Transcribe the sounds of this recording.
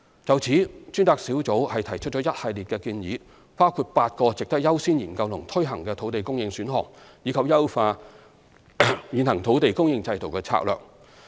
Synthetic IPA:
t͡sɐ˨wt͡sʰiː˨˥t͡ʃyː˥nt̪aː˧k̚siː˨˥wt͡so˨˥whɐ˨jt̪ʰɐ˨˩jt͡ʃʰɵ˥t̚t͡ʃɔː˨˥jɐ˥t̚hɐ˨jliː˨t̚kɛː˧kiː˧njiː˨˥ | paː˥wkʰuː˧t̚paː˧t̚kɔː˧t͡sɪ˨k̚t̪ɐ˥k̚jɐ˥wsiː˥njiː˨˩nkɐ˧wlʊ˨˩ŋt̪ʰɵ˥ɦɐ˨˩ŋkɛː˧t̪ʰo˨˥wt̪e˨˩jkʊ˥ŋjɪ˧ŋsyː˨˥nɦɔ̰ː˨˩ŋjiː˨˧˥kʰɐ˨p̚jɐ˥wfaː˧ | jiː˨˧nhɐ˨˩ŋt̪ʰo˨˥wt̪e˨jkʊ˥ŋjɪ˧ŋt͡sɐ˧jt̪o˨˩wkɛː˧t͡sʰa̰ː˧k̚lœː˨k̚

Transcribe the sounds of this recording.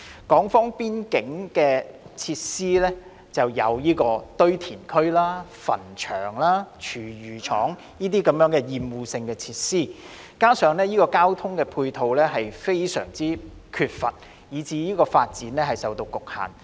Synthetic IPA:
kɔː˨˥ŋfɔː˥ŋpiː˥nkɪ˨˥ŋkɛː˧t͡sʰiː˧t̚siː˥lɛː˥ | t͡sɐ˨wjɐ̰˨˧wjiː˥kɔː˧t̪ɵ˥ɥt̪ʰiː˨˩nkʰɵ˥ɥlaː˥fɐ̰˨˩nt͡ʃʰœ̰ː˨˩ŋlaː˥t͡ʃʰyː˨˩jyː˨˩t͡ʃʰɔ̰ː˨˥ŋ | jiː˥t̪iː˥kɐ˨˧mjœː˨˥ŋkɛː˧jiː˨mwuː˨sɪ˧ŋkɛː˧t͡sʰiː˧t̚siː˥ | kaː˥sœː˨˧ŋlɛː˥jiː˥kɔː˧kaː˥wt̪ʰʊ˥ŋkɛː˧pʰuː˧jt̪ʰo˨˧wlɛː˥ɦɐ˨jfe˥jsœ̰ː˨˩ŋt͡siː˥kʰyː˧t̚fɐ̰˨t̚ | jiː˨˧t͡siː˨˧jiː˥kɔː˧faː˧t̚t͡siː˨˥nlɛː˥ɦɐ˨jsɐ˨wt̪o˧wkʊ˨k̚ha̰ː˨˩n

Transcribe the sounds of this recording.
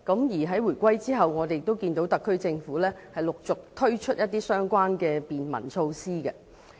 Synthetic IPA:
kɐ˨˥mjiː˨˩ɦɐ˨˥jwuː˨˩jkʷɐ˥jt͡siː˥ɦɐ˨wŋɔː˨˧e˨jɪ˨k̚t̪o˥wkiː˧nt̪o˨˥wt̪ɐ˨kʰːɵ˥ɥt͡sɪ˧ŋfuː˨˥lɛː˥hɐ˨jlʊ˨k̚t͡sʊ˨k̚t̪ʰɵ˥ɥt͡ʃʰɵ˥t̚jɐ˥t̚t̪iː˥sœː˥ŋkʷaː˥nkɛː˧piː˨nmɐ̰˨˩nt͡sʰo˧wsiː˥ɡɛ˧

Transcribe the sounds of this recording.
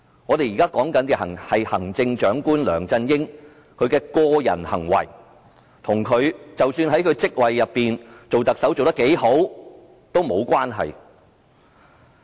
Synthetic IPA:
ŋɔː˨˧t̪e˨jiː˨kaː˥kɔː˨˥ŋkɐ˨˥nkɛ˧hɐ˨˩ŋhɐ˨jhɐ˨˩ŋt͡sɪ˧ŋt͡ʃœː˨˥ŋkuː˥nlœ̰ː˨˩ŋt͡sɐ˧njɪ˥ŋ | kʰɵ˨˧ɥkɛː˧kɔː˧jɐ̰˨˩nhɐ̰˨˩ŋwɐ̰˨˩j | t̪ʰʊ˨˩ŋkʰɵ˨˧ɥt͡sɐ˨wsyː˧nɦɐ˨˥jkʰɵ˨˧ɥt͡sɪ˥k̚wɐ˨jːɐ˨pːiː˨nt͡so˨wt̪ɐ˨k̚sɐ˨˥wt͡so˨wt̪ɐ˥ke˨˥jho˨˥w | t̪o˥wmo˨˧wkʷaː˥nɦɐ̰˨j

